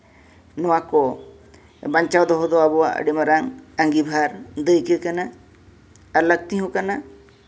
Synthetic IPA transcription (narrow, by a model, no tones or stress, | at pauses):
nɔwakɔ | baɲt͡ʃawd̪ɔɦɔd̪ɔabɔwaʔə̰ɖimaɾaŋaŋɡibʱaɾd̪əjkekanaː | ɾlək̚t̪iɦɔ̃kana